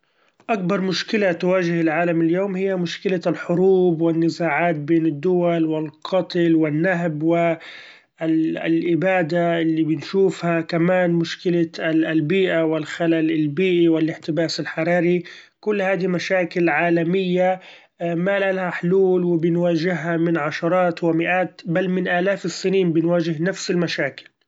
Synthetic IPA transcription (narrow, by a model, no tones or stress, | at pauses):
ʔak̚bɑɾˤmʊʃkɪlat̪waːʒɪhɪlʕaːlamɪljoːmhɪjːamʊʃkɪlalħʊɾuːbwɪnːɪzaːʕaːt̪̚beːnɪd̪ːʊwalwɪlqʰɑt̪ˤlwɪnːaɦbwɪ | lʔɪbaːd̪aʔɪlːibɪnʃuːfhakamaːnmʊʃkɪlalbiːʔawɪlxalalɪlbiːʔiwɪlɪħt̪ɪbaːsɪlħɑɾˤɑːɾi | kʊlːhaːd̪imaʃaːkɪlʕaːlamɪjːa | malalahaħluːlwɪbɪnwaːʒɪɦːamɪnʕaʃɑɾˤɑːt̪wɪmɪʔaːt̪balːmɪnʔaːlaːfɪsːɪniːnbɪnwaːʒɪɦnafsɪlmaʃaːkɪ̥l